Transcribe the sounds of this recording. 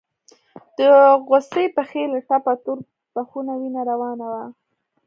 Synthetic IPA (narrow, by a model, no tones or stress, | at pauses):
d̪̥əɣosejpəxelʈapat̪uɾ | baxunawinaɾawɑnawa